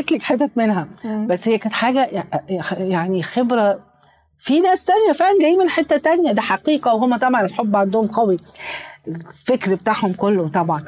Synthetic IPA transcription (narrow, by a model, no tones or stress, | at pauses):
et̪lekħet̪ːæmenɦæbæsːhejækæːnt̪ħaːɡæjjaʕnixebɾæ | finæːst̪ænjæfeʕlænɡæjːiːmenħet̪ːæt̪ænjæd̪iħɑqiːqɑweɦomːæt̪ˤɑbʕɑnelħobːʕand̪ohomqɑwi | efekɾbet̪aːʕhomkolːot̪ˤɑbʕɑn